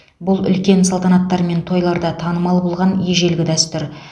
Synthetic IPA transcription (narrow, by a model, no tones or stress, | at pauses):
bʊlˠʏ̰lkʲe̞nsɑlˠt̪ɑnɑt̪ːɑɾme̞nt̪ʰo̞jlˠɑɾd̪ɑt̪ʰɑnəmɑlˠbolˠʁɑnjeʒe̞lɡʲɪd̪æst̪ʏɾ